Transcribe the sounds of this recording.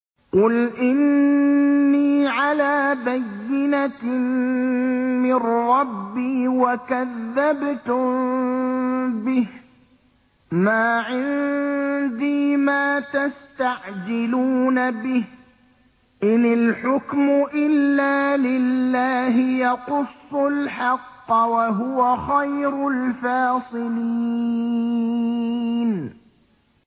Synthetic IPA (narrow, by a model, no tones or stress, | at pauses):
qʊlʔɪnː | iːʕalaːbajːɪna | mɪnɾɑbːiːwakaðːabt̪ʊm | bɪh | maːʕɪn | d̪iːmaːt̪ast̪aʕd͡ʒɪluːnabɪh | ʔɪnɪlħʊkmʊʔɪlːaːlɪlːaːɦɪjɑqʊsˤːʊlħɑqːwaɦʊwaxajɾʊlfaːsˤɨliiː | n